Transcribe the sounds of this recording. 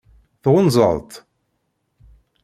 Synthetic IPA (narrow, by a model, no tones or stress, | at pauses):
θʁʊnzˤə̰ðˤt̪